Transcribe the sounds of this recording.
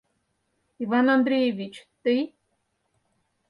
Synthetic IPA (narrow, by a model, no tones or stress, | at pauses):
ivanand̪ɾʲejevʲit͡ɕt̪ɨj